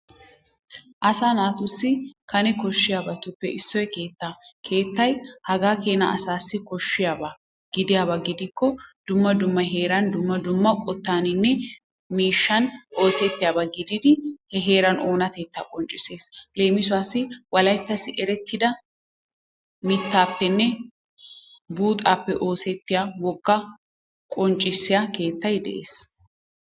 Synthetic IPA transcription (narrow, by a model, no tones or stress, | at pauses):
ʔɐsaːnaːt̪ʊsːɪkʰɐnɛkɔʃːɪjaːbɐt̪ʊpːɛʔɪsːɔjɛke̞ːt̪ːakʰe̞ːt̪ːɐjhɐɡaːkeːnɐ̰ɐ̰saːsːɪkɔʃːɪjaːbɐ | ɡ̥ɪd̪ɪjaːbɐɡɪd̪ɪkːɔd̪ʊmːɐd̪ʊmːɐɦe̞ːɾɐnd̪ʊmːɐd̪ʊmːɐkʼɔt̪ːaːnɪnːɛ | miːʃːɐnʔo̞ːsɛt̪ːɪjaːbɐɡɪd̪ɪd̪ɪhɛɦe̞ːɾɐno̞ːnɐt̪eːt̪ːakʼɔnt͡ʃʼːɪse̞ːsle̞ːmɪsʊwaːsːɪwɐlɐjt̪ːɐsɪʔɛɾɛt̪ːɪd̪ɐ | mɪt̪ːaːpːɛnːɛ | buːt̪ʼaːpːɛʔo̞ːsɛt̪ːɪjawɔɡːɐ | kʼɔnt͡ʃʼːɪsːɪjake̞ːt̪ːɐjd̪ɛ̰ʔḛːs